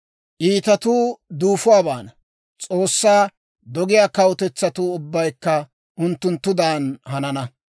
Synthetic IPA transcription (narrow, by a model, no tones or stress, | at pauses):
ʔiːt̪ɐt̪uːd̪uːfʊwaːbaːnɐ | t͡sʼoːsːaː | d̪ɔɡɪjaːkɐwʊt̪ɛt͡sːɐt̪uːʊbːɐjkːɐ | ʔʊnt̪ːʊnt̪ːʊd̪aːnhɐnɐnɐ